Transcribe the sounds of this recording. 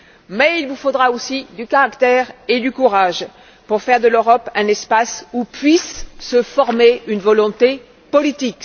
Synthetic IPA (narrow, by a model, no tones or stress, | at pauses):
mɛilvufod̪ʁaosid̪ykaʁakt̪ɛʁed̪ykuʁaʒ | puʁfɛʁd̪əløʁɔpɛ̃nɛspasupɥisːəfɔʁmeynvɔlɔ̃t̪e | pɔlit̪ik